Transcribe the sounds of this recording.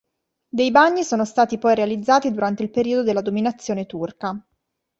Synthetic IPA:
d̪ejbaɲːisoːnost̪aːt̪ipɔjɾealid̪zːaːt̪id̪uɾant̪eilpeɾiːod̪od̪elːad̪ominat̪sːjoːnet̪urka

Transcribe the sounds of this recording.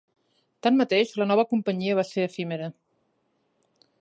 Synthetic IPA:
t̪anmmət̪eʃlənɔβ̞əkumpəɲiəβaseəfimeɾə

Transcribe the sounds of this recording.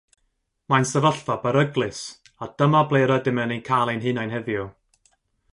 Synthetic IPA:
mansəvəɬfabəɾəɡlˠɨs | ad̥əmablˠejɾɔdɪmənenkʰalˠenɦɨnajnɦɛvjʊ

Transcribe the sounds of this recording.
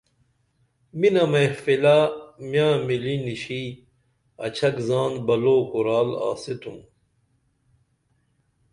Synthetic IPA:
minɐmɐfilamjãːmiliniɕi | ɐ̰t͡ɕʰɐkzaːnbɐloːkuɾaːla̰ːsit̪ʰum

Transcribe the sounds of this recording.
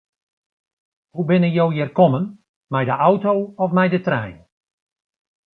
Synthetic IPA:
hubɪnəjowjɪrkɔmən | mɛjdəʔawtowɔfmɛjdətrɛ̰jn

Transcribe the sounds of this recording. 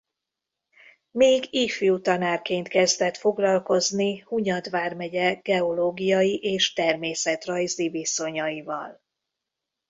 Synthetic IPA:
meːɡiːfijut̪ɒnaːrkeːnt̪kɛzd̪ɛt̪fo̞ɡlɒlko̞znihuɲɒd̪ʋaːrmɛɟɛɡ̥ɛo̞loːɡijɒjiʔeːʃt̪ɛrmeːsɛt̪rɒjziviso̞ɲɒjivɒ̰l

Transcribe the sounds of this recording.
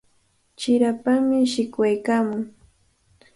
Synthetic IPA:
t͡ʃɪɾapamɪʃɪkwajkaːmʊŋ

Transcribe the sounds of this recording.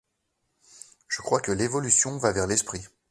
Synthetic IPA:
ʒ̥əkχwakəlevɔlysjɔ̃vavɛʁlɛspχi

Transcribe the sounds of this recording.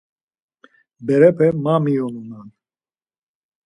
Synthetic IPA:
bɛɾɛpʰɛmamiɔnunan

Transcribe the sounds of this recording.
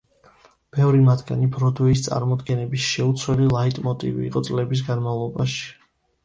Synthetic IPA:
b̥ɛvɾimad̪ɡanibɾɔd̪vɛis̬t̪sʼa̰ɾmɔd̪ɡɛnɛbisʃɛut̪sʰwɛlilˠait̪ʼmɔt̪ʼḭvḭːqʼɔt̪sʼlɛbis̬ɡanmavlˠɔbaʃi̥

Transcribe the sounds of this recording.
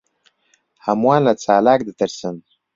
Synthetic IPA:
hamwaːnlat͡saːlak̚d̪ət̪əɾsən

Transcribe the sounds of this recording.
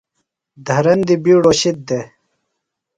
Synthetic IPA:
d̪ʱɐɾɐnd̪ibiːɽoːɕit̪̚d̪e

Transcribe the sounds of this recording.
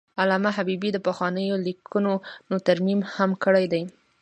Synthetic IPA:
alamaɦabibid̪əpəxwɑnəjolikʰunonot̪aɾmimhamkəɽajd̪aj

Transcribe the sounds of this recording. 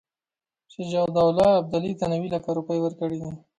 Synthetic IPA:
ʃɪd͡ʒawd̪ɑwlɑːb̚d̪alit̪anawilakaɾupəjwəɾkəɽid̪i

